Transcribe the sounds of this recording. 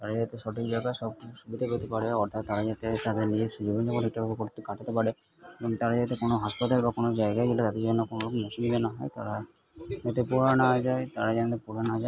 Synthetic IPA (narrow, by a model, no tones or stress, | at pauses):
t̪aɾad͡ʑat̪eʃɔʈik̚d͡ʑajɡaʃɔb̚ʃubid̪ʱakot̪epaɽeɔɾt̪ʰat̪ːaɾad͡ʒat̪et̪ad̪eɾnid͡ʑed̪ʃud͡ʑibond͡ʒakɔnek̚ʈabʱabekoɾt̪ekaʈʰat̪epaɽe | ebɔŋt̪aɾad͡ʒat̪ekonoɦaʃpat̪albakonod͡ʑaeɡad͡ʑelat̪ad̪eɾd͡ʑonːokonolokmɔʃubid̪enaɦɔet̪aɾa | d͡ʒat̪epuɾanad͡ʒaet̪aɾad͡ʒanat̪epuɾanad͡ʒae